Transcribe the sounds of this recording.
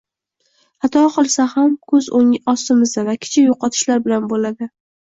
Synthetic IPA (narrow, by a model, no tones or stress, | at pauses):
at̪ʰɒqʰɨlˠsahamkʰɵzoŋɪɒst̪ɪmɪzd̪avakʲʰɪ̥t͡ʃʰɪjoqɒt̪ʰɪ̥ʃlaɾbɪlanbolad̪ɪ